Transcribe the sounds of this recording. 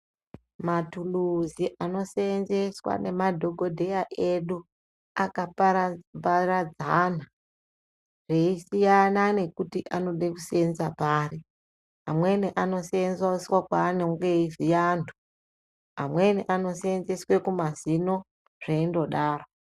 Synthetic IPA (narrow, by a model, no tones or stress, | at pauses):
matuluziʔano̞senze̞swa̰ne̞madʱo̞ɡʱo̞dʱe̞jaʔe̞ɗu | akapparad͡zana | ʐ̥eisijanane̞kutiʔano̞ɗeku̥seenzapaːri | amwe̞niʔano̞seenzaswakwaneuŋɡeizijantʰu̥ | amwe̞niʔano̞seenzeswe̞kumazino̞ | ʐ̥eindo̞ɗaːro